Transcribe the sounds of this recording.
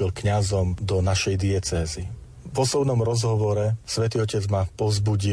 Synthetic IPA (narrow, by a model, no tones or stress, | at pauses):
ilkɲazɔmd̪ɔnaʃɛjd̪iɛt͡sɛːzi | vɔsɔbnɔmɾɔzɦɔʋɔɾɛsʋɛt̪iːɔcɛd͡zmapɔzbuɟi